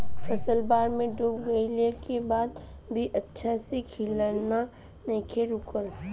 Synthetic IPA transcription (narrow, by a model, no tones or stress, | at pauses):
fʰəsəlbaːɾmẽɖuːbɡɐilekebaːd̪̚bʱiʔətːʃʰasekʰiləna | nə̃kʰeɾukəɾ